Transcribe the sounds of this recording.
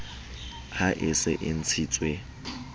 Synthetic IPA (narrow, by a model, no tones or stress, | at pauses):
haʔɪsɪ̰ʔɪn̩t͡sʰiːt͡sʼwe